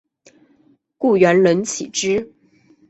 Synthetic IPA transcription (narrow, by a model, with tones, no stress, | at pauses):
ku˥˩ɥɛ˧˥nlə˧˥nt͡ɕʰḭ˨˩ʈ͡ʂɻ̩˥